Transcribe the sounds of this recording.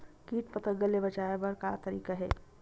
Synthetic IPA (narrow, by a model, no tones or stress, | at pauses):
kiːʈpət̪əɡəlːebɐt͡ʃaːebɐɾkat̪ɐɾḭːkaɦɛ̰ː